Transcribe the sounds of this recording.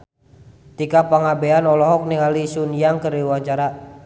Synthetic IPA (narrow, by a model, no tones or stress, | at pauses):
t̪ikapaŋabɛanɔlɔɦɔk̚niŋalisunijaŋkəriwaɲt͡ʃaɾa